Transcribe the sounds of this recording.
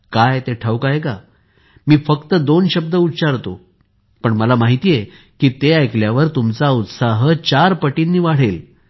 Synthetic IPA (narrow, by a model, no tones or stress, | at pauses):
kajt̪eʈʰəwkajeka | miːfəkt̪əd̪onɕəb̚d̪əutːɕaɾt̪o̰ | pəɳməlamaɦit̪ije | kiːt̪eajkljaʋəɾt̪umt͡saut̪saɦt͡ɕaɾpəʈinːiːʋaɽ̤el